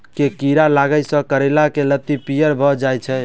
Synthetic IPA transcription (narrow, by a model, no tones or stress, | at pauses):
kekiɾalaɡəjsə̃kəɾelakelət̪ːipijəɾbʱɔd͡ʒajt͡ʃʰɛ